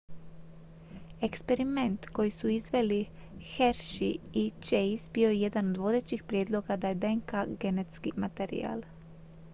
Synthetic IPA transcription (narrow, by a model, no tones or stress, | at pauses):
ekspe̞ɾiment̪ko̞jisuizʋe̞li | xeɾʃiit͡ʃejsbijo̞jeje̞d̪anod̪ʋo̞d̪e̞t͡ɕixpɾʲjed̪lˠo̞ɡad̪ajed̪eŋkaɡe̞net̪skimat̪eɾḭa̰ːl